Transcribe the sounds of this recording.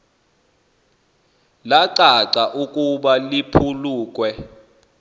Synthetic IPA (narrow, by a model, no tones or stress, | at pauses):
laǀaǀaʔukʼuɓalipʰuluːk̬ʼwɛ